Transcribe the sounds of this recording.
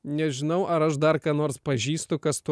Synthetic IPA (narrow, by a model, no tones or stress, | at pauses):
nʲɛʒʲɪnɐʊʔɐɾɐʃd̪ɐɾkɑːnoːɾspɐʒʲiːst̪ʊkɐst̪ʊ